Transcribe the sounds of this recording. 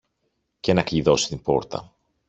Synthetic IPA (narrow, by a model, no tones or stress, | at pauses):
ce̞nɐkʎiðo̞si̥t̪imbo̞̰ɾt̪ɐ̰